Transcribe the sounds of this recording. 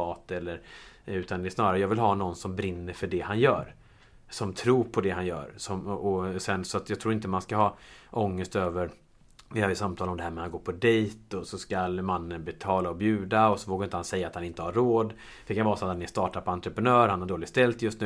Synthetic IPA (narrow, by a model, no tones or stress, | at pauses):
ɑːt̪ɛlːəɾʉ̟ːt̪and̪ɛɛsnɑːɾaɾjɑːɡvɪlɦɑːnɔnːsɔmbɾɪnːəɾfœɖɛhanjœ̰ːɾ | sɔmt̪ʰɾuːɾpʰɔd̪ɛɦanjœ̰ːɾsɔmɔsɛnsɔat̪jɑːɡt̪ʰɾuːɾɪnt̪əmanskaɦɑːʔɔŋːəst̪øːvəɾ | vɪhøːjəsamt̪ʰɑːlɔmd̪ɛhæːɾmɛɾhanɡoːɾpʰɔd̪ɛjt̪ɔsɔskalmanːənbɛt̪ʰɑːlaɔbjʉ̟ːd̪aɔsɔvoːɡaɾɪnt̪əhansɛjːat̪hanɪnt̪əhaɾːoːd̪ | fœɖɛkʰanvɑːɾsɔat̪hanɪst̪ɑːʈad̪̚pʰɔant̪ɾəpɾɛnœːɾhanhaɖoːlɪɡst̪ɛlt̪jɵst̪nʉ̟ː